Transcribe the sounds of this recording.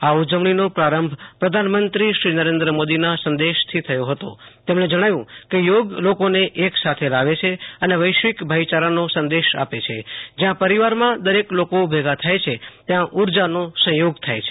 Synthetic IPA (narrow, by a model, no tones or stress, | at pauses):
aud͡ʒəʋɳinopɾaɾəmbʱpɾəd̪ʱanmənt̪ɾiʃɾinəɾend̪ɾəmod̪inasə̃nd̪eʃt̪ʰit̪ʰəjoɦət̪o̰t̪emɳed͡ʒəɽ̃aʋjũkejoɡlokoneʔeksat̪ʰelaʋet͡ʃʰeəneʋəjʃʋikbʱajt͡ʃaɾənosə̃nd̪eʃa̰pet͡ʃʰḛd͡ʒjãpəɾiʋaɾmãd̪əɾeklokobʱeɡat̪ʰajt͡ʃʰet̪jãʔuɾd͡ʒanosə̃joɡt̪ʰajt͡ʃʰe̥